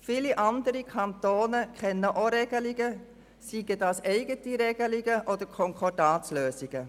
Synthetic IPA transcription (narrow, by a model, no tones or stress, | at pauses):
fiːliʔɑndəɾikʰɑntoːnəkʰχɛnːəʔoɾeɡ̥əliɡə | siɡ̥ədɑːsɛɪɡətiɾɛɡ̥əliɡəʔɔdəɾkʰɔŋkʰɔdɑːsløːsiɡ̥ə